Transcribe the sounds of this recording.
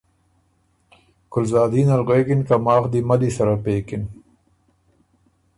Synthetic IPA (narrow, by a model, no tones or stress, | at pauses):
kʊlzaːd̪iːnɐlʁeːkinkɐmaːxd̪imɐd̪isɐɾapeːkin